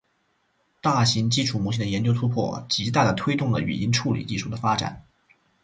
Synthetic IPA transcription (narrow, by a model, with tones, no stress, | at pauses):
t̪a˥˩ɕi˧˥ŋt͡ɕi˥ʈ͡ʂʰu˨˩mu˧˥˩d̪ə˧jɛ˧˥nt͡ɕjo˥ʊt̪ʰu˥pʰwɔ̰˥˩t͡ɕi˧˥t̪a˥˩d̪ə˩t̪ʰwe˥ɪt̪ʊ˥˩ŋlə̰˩y̰˨˩ni˥nʈ͡ʂʰu˥˩lḭ˨˩t͡ɕi˥˧ʂu˥˩d̪ə˩fa˥ʈ͡ʂa̰˨˩˦n